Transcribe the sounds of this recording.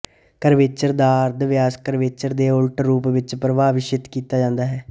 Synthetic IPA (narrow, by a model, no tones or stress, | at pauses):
kəɾʋeːt͡ʃəɾd̪aːɾd̪ʋɪjaːskəɾʋeːt͡ʃəɾd̪eːʊlʈɾuːpʋɪt͡ʃpɾəʋaːʋɪʃɪt̪kiːt̪aːd͡ʒãːnd̪aːɦɛː